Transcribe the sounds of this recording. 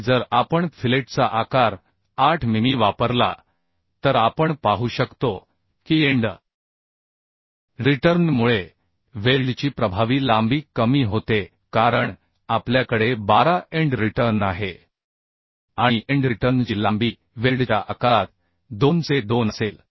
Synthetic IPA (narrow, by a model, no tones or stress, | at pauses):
d͡zəɾapəɳfʰileʈt͡saʔakaɾ | aʈʰmimiːʋapəɾla̰ | t̪əɾapəɳpaɦuːɕəkt̪o | kiːeɳɖə | ɾiʈəɾnmuɭe | ʋeɾɖt͡ɕiːpɾəbʱaʋiːlambiːkːəmiːɦot̪e | kaɾəɳ | apljakəɽebaɾaeɳɖɾiʈəɾnaɦe | aɽ̃iʔeɳɖɾiʈəɾnd͡ʑilːambiː | ʋelɖt͡ɕaʔakat̪̚ | d̪ont͡sed̪onəsel